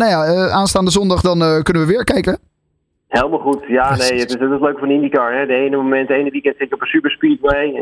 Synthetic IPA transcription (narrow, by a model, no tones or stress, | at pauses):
najaəʔaːnstaːndəzɔndɑχdɑnəkɵnənʋəʋɪːɹkɛjkə | helˠəmalˠχutjaːnejətɪsətɪsløɥkfɹnəɪndikɑɹɦɛdəejnəmomɛntejnəʋikɛntsɪtjəɔpənsypəɹspiːtwej